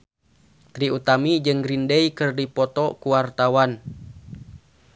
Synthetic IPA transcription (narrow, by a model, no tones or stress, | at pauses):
t̪ɾiut̪amid͡ʒɨŋɡɾindɛikɨrdipɔt̪ɔkuwart̪awan